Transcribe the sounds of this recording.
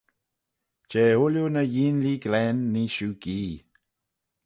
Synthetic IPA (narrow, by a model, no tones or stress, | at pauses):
t͡ʃeʊljonəjiːnliɡlɛnːiʃuɡiː